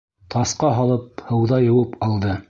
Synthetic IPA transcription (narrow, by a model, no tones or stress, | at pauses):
t̪ʰɑsqɑɦɑlˠɤp̚hɤ̆wðɑjɤ̆wɤpɑlˠd̪ɤ